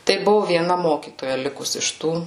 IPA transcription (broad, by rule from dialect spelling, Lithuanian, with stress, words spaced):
tɐɪ ˈbʊʋʊ ʋʲiɛˈnɐ ˈmoːkʲiːtoːjɛ ˈlʲɪkʊs ɪʃ ˈtuː